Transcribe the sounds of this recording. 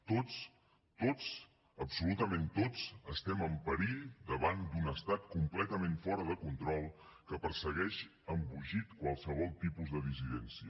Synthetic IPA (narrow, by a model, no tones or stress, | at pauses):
t̪ot͡s | t̪ot͡s | əpsulut̪əment̪ot͡səst̪ɛməmpəɾiʎd̪əβand̪unəst̪at̪kumplɛt̪əmẽɱfɔɾəðəkunt̪ɾɔlˠ | kəpəɾsəɣɛʃ | əmbuʒit̪kwalˠsəβ̞ɔlˠt̪ipuzðəðisiðɛnsiə